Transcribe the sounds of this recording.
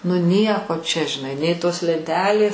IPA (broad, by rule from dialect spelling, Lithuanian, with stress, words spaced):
nʊ ˈnʲiɛkoː t͡ʃʲɛ ʒʲɪˈnɐɪ nʲɛɪ ˈtoːs lʲɛnʲˈtʲæːlʲeːs